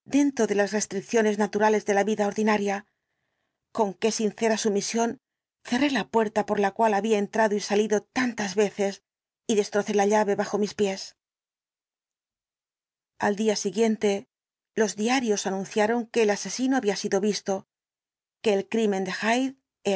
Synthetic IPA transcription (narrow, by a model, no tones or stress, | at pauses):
d̪e̞nt̪ɾo̞ðe̞lasre̞st̪ɾik̚θjo̞ne̞znat̪uɾale̞zðe̞laβiðao̞ɾðinaɾja | ko̞ŋke̞sinθe̞ɾasumisjo̞n | θe̞re̞lapwe̞ɾt̪apo̞ɾlakwalaβiae̞nt̪ɾaðo̞isaliðo̞t̪ant̪azβe̞θe̞s | iðe̞st̪ɾo̞θe̞laʎaβe̞βaxo̞mispje̞s | a̰ld̪iasiɣje̞nt̪e̞ | lo̞zðiaɾjo̞sanũnθjaɾo̞ŋke̞ːlase̞sinoaβiasiðo̞βist̪o̞ | ke̞ːlkɾime̞nd̪e̞xajð | e